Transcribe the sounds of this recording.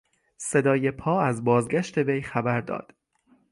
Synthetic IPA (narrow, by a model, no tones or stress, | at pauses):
se̞d̪ɒːje̞pʰɒːæzbɒːzɡæʃt̪ʰe̞vejxæbæɾd̪ɒ̰ːd̪̥